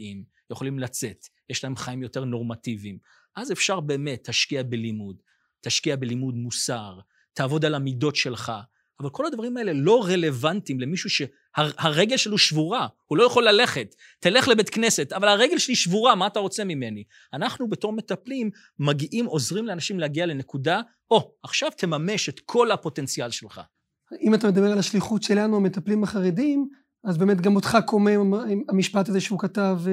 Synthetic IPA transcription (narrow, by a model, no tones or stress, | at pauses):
im | jeχo̞limlat͡se̞tjeʃlahe̞mχaimjo̞te̞ʁno̞ʁmativim | ʔaze̞fʃaʁbe̞ːmetʰhaʃkiabelimud | taʃkiabelimudmusaʁ | taːvo̞d̪alamido̞tʃe̞lχa | avalkʰo̞lhad̪vaʁimae̞le̞lo̞ʁe̞le̞vantimle̞miʃuʃe̞ | hahaʁe̞ɡe̞lʃeliuʃvuʁahulo̞jaχo̞lːale̞χetː | ele̞χlebet̪kne̞se̞t̪avalaʁeɡelʃeliʃvuʁamaːtaʁo̞t͡se̞mime̞ni | anaχnubeto̞ʁme̞taplimː | aɡiʔimo̞zʁimleanaʃimleaɡiale̞ne̞kuda | o̞aχʃavt̪ʰe̞mame̞ʃet̪kʰo̞lapo̞tent͡sialʃelχa̰ | imatame̞d̪abe̞ʁalaʃliχutʃe̞lanuame̞taplimaχaʁedim | azbeːme̞tɡamotχako̞meamiʃpataze̞ʃeukatav